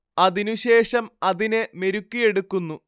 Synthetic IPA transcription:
ɐðinuɕe̞ːʂɐmɐðineme̞ɾukːije̞ɽukːunːu

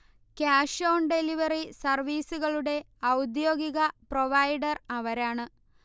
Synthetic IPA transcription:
kaːʂo̞ːɳɖe̞liʋɐrisɐrʋiːsuɣɐɭuɽe̞ | ɐwd̪jo̞ːɡiɣɐproʋɐjɖɐrɐʋɐɾaːɳɨ

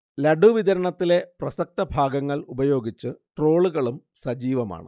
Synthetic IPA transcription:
lɐɖuʋid̪ɐɾɐɳɐt̪ːile̞prɐsɐk̚t̪ɐbʱaːɡɐŋːɐɭubɐjo̞ːɡit͡ɕːɨʈro̞ːɭuɣɐɭum | sɐd͡ʑiːʋɐma̰ːɳɨ̰

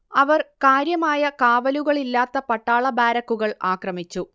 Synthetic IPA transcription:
ɐʋɐrkaːɾjɐmaːjɐkaːʋɐluɣɐɭilːaːt̪ːɐpɐʈːaːɭɐbaːɾɐkːuɣɐɭaːkrɐmit͡ɕːu

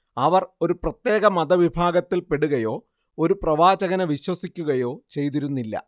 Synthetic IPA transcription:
ɐʋɐro̞ɾuprɐt̪je̞ːɣɐmɐd̪ɐʋibʱaːɡɐt̪ːilpeɽuɣɐjo̞ː | o̞ɾuprɐʋaːt͡ɕɐɣɐnɐʋiɕwɐsikʲːuɣɐjo̞ːt͡ɕe̞jt̪iɾunːilːɐ̰

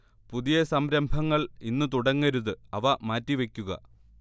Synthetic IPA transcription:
puðijɐsɐmɾɐmbʱɐŋːɐɭinːɨt̪uɽɐŋːɐɾuðɨɐʋɐmaːtːiʋe̞kʲːuɣɐ̰

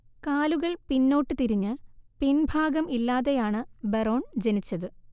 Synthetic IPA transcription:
kaːluɣɐɭpinːo̞ːʈːɨt̪iɾiɲːɨpinbʱaːɡɐmilːaːðejaːɳɨbero̞ːɳd͡ʑenit͡ɕːɐðɨ

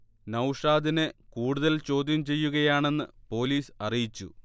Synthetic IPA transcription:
nɐwʂaːd̪inɨkuːɽuðɐlt͡ɕo̞ːd̪ʱjɐmt͡ɕe̞jːuɣɐjaːɳe̞nːɨpo̞ːliːsɐrijit͡ɕːṵ

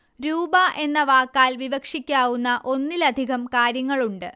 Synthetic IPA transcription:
ɾuːbɐʔe̞nːɐʋaːkːaːlʋiʋɐkʂikʲːaːʋunːɐʔo̞nːilɐd̪ʱiɣɐmkaːɾjɐŋːɐɭuɳɖɨ

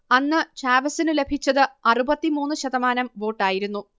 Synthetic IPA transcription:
ɐnːɨt͡ɕaːʋɐsinɨle̞bʱit͡ɕːɐðɨɐrubɐt̪ːimuːnːɨɕɐðɐmaːnɐmʋo̞ːʈːaːjiɾunːu

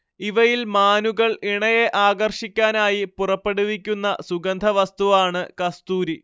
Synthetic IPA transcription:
iʋɐjilmaːnuɣɐɭiɳɐjeʔaːɡɐrʂikʲːaːnaːjipurɐpːe̞ɽuʋikʲːunːɐsuɡɐnd̪ʱɐʋɐst̪uʋaːɳɨkɐst̪uːɾi

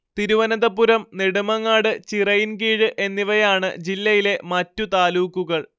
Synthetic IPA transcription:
t̪iɾuʋɐnɐðɐpːuɾɐmniɽumɐŋːaːɽɨt͡ɕirɐjinkiːɻɨʔe̞nːiʋɐjaːɳɨ̰d͡ʑilːɐjile̞mɐtːut̪aːluːkːuɣɐɭ

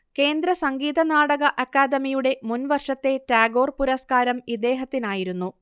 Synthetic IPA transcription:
ke̞ːnd̪ɾɐsɐŋɡiːd̪ɐnaːɽɐɣɐʔɐkːaːd̪ɐmijuɽe̞munʋɐrʂɐt̪ːe̞taːɡo̞ːrpuɾɐskaːɾɐmid̪e̞ːɦɐt̪ːinaːjiɾunːu

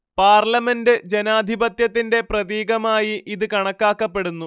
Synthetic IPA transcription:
paːrlɐme̞ndɨd͡ʑe̞naːd̪ʱibɐt̪jɐt̪ːinde̞prɐðiːɡɐmaːjiʔiðɨkɐɳɐkːaːkːɐpːe̞ɽunːu

